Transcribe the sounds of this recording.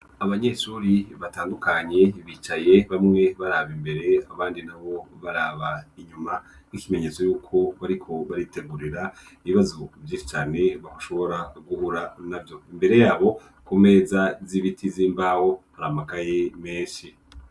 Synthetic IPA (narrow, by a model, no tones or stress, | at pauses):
aβaɲe̞ʃuːɾiβataːndukaɲe̞βiːt͡ʃaje̞βamŋe̞βaɾaβimbeɾe̞aβaːndinaβo̞βaɾaːβaiɲuma | nikime̞ɲe̞t͡so̞juːkʰo̞βaɾikʰo̞βaɾite̞ɡuɾiɾa | iβiβazovjiːʃi̥t͡ʃaːne̞βahuʃo̞βo̞ɾaɡuhuɾanavjo̞imbe̞ɾe̞jaːβo̞ | kome̞zaziβitʰiziːmbaho̞haɾamakajeme̞ːʃi